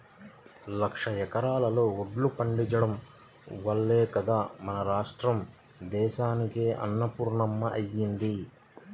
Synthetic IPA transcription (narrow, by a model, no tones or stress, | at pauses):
lɐkʂɐjɛkɐɾaːlɐlo̞ːuɖlupɐɳɖit͡ʃɐɽɐm | ʋɐlːeːkɐd̪aːmɐnɐɾaːʂʈɾɐm | d̪ɛːʃaːnike̞ːʔɐ̰nːɐpuːɾɳɐmːɐʔɐjːind̪i